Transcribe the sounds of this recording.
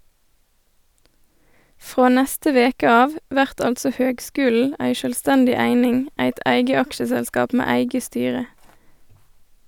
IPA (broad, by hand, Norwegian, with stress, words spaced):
ˈfʁoː ˈnɛstə ˈʋeːkə ˈɑːʋ ˈʋæʁt ˈɑltsɔ ˈhøːɡˌskʉːl̩ ˈæɪ ʃœlˈstɛndɪ ˈæɪnɪŋ ˈæɪt ˈʔæɪɡə ˈɑkʃəsɛlˌskɑːp ˈmeː ˈæɪɡə ˈstyːʁə